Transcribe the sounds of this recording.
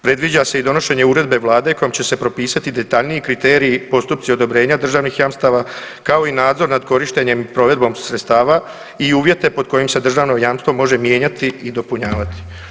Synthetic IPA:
pɾe̞d̪ʋid͡ʑase̞id̪o̞no̞ʃe̞ɲe̞uːɾe̞d̪be̞ʋlˠaːd̪e̞ko̞jomt͡ɕe̞se̞pɾo̞piːsat̪id̪e̞t̪aʎniikɾit̪e̞ːɾiːpo̞st̪up̚t̪sio̞d̪o̞bɾe̞ːɲad̪r̩ʒaːʋnixjamst̪aʋa | kao̞inaːd̪zo̞ɾnad̪ko̞ɾiʃt̪e̞ɲe̞mpɾo̞ʋe̞d̪̚bo̞ːmsɾet̪st̪aːʋa | iuːʋje̞t̪e̞po̞d̪̚ko̞jimse̞d̪r̩ʒaːʋno̞jamst̪ʋo̞mo̞ʒe̞mje̞ːɲat̪iid̪o̞puɲaːʋat̪i̥

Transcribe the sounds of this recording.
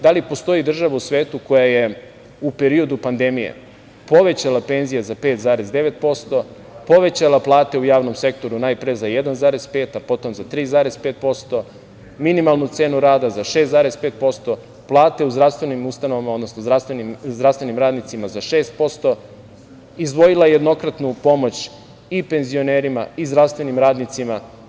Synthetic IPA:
d̪alipo̞st̪o̞jid̪r̩ʒaʋausʋeːt̪uko̞jaje | upeɾio̞d̪upand̪emijḛ | po̞ʋe̞t͡ɕalape̞nzijazapet̪zaːɾe̞zd̪e̞ʋe̞t̪̚po̞st̪o̞ | po̞ʋe̞t͡ɕalaplˠaːt̪e̞ujaːʋnomse̞k̚t̪o̞ɾunaːjpɾezajed̪anzaːɾez̥pe̞ːt̪apo̞t̪omzat̪ɾiːzaːɾespe̞ːt̪̚po̞st̪o̞ | minimalˠnut̪se̞ːnuɾaːd̪azaʃest̪zaːɾespe̞ːt̪̚po̞st̪o̞ | plˠaːt̪e̞uzd̪ɾafst̪ʋe̞nimust̪ano̞ʋamao̞d̪no̞snozɾast̪ʋenizd̪ɾafst̪ʋenimɾaːd̪nit̪simazaʃe̞ːst̪̚po̞st̪o̞ | izd̪ʋo̞jilaeje̞d̪no̞kɾat̪nupo̞mo̞t͡ɕ | ipe̞nzio̞ne̞ːɾima̰izd̪ɾaʋst̪ʋe̞nimɾaːd̪nit̪sima

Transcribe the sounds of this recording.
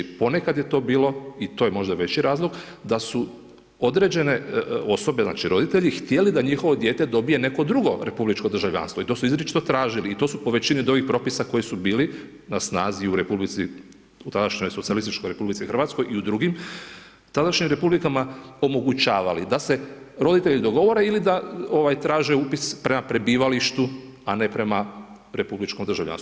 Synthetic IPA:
po̞ne̞kad̪je̞t̪o̞ːbiːlo̞it̪oːjemo̞ʒd̪aʋe̞t͡ɕiɾaːzlˠo̞ɡd̪asu | o̞d̪ɾed͡ʑe̞ne̞o̞so̞be̞zna̰t͡ʃiɾo̞d̪it̪eʎixt̪je̞lid̪aɲixo̞ʋod̪je̞ːt̪e̞d̪o̞bije̞ne̞ko̞d̪ɾuɡo̞ɾe̞publit͡ʃko̞d̪ɾrʒavʎa̰ːnst̪ʋoit̪o̞suizɾet͡ʃi̥t̪o̞t̪ɾaːʒiliːt̪o̞ːsupo̞ʋe̞t͡ɕinid̪uɡixpɾo̞pisako̞jisubiːli | nasnaːziuɾe̞publit̪si | ut̪ad̪aʃɲo̞jsot̪sialist̪it͡ʃkojɾe̞publit̪sixr̩ʋaːt̪sko̞jʔiud̪ɾuɡim | t̪ad̪aʃɲimɾe̞publikamao̞mo̞ɡut͡ʃaːʋalid̪ase̞ | ɾo̞d̪it̪e̞ʎid̪o̞ɡo̞ʋo̞ɾe̞ilid̪ao̞ʋajt̪ɾaːʒe̞upispɾe̞mapɾe̞biːʋaliʃt̪u | ane̞pɾe̞ma | ɾe̞publit͡ʃkomd̪ɾ̩rʒavʎa̰nst̪u

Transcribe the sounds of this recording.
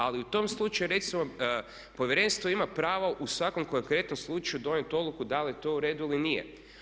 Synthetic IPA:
aliut̪o̞mslˠut͡ʃajuɾe̞t̪simo | po̞ʋjeɾe̞nst̪ʋoimapɾaːʋaʔusʋako̞mkoŋkɾe̞t̪no̞mslˠut͡ʃajud̪o̞net̪o̞d̪lˠukud̪alit̪o̞uɾe̞d̪uilinijḛ

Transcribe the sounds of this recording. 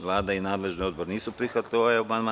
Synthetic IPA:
ʋlˠaːd̪ainaːd̪le̞ʒnio̞d̪boɾeniːsupɾixʋat̪lojeomanma

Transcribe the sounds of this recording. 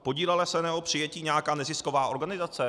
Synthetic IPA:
po̞ɟiːlɛlɛsɛnɛopr̥ɪjɛciːɲɛjakaːnɛzɪskovaːʔo̞ɾɡanɪzat͡sɛ

